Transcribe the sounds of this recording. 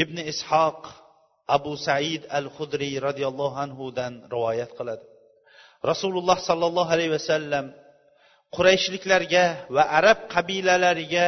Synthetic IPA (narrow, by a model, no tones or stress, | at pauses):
ɪbnɪɪshɑq | abʊsaʕɪd̪alχʊd̪ɾiɾɒd̪ijɑlˠːɑhanɦʊd̪anɾɪvɒjat̪qʰɨlˠad̪ɪ | ɾɑsulˠʊlˠːɑhsɒlˠːɑlˠːɑɦalajhwasalːam | qʰʊɾajʃlɪkʲlaɾɪɡʲavaʔaɾab̚qʰɑbilalaɾɪɡʲa